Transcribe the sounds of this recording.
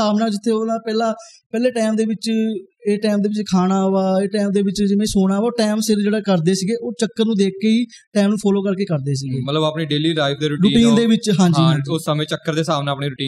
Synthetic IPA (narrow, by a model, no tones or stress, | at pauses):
aːʋnaːd͡ʒɪt̪ʰːeːoːnãːpɛːlãːpɛːleːʈɛːmd̪eːʋɪt͡ʃeːʈɛːmd̪eːʋɪt͡ʃkʰaːɽ̃aːʋaːeːʈɛːmd̪eːʋɪt͡ʃd͡ʒɪʋẽːsoːɽ̃aːʋaːʈɛːmsɪɾd͡ʒeːɽaːkəɾd̪eːsiːɡeːʔoːt͡ʃəkːəɾnũːd̪eːk̚keːiː | ʈɛːmnũːpʰɔːloːkəɾkeːkəɾd̪eːs̬iːɡeːmət̪ləbaːpniːɖeːliːɾaːɪfʰd̪eːɾʊɾʊiːʈiːnd̪eːʋɪt͡ʃɦãːɦioːsəmẽːt͡ʃəkːəɾd̪eːsaːʋnaːəpniːɾʊʈiː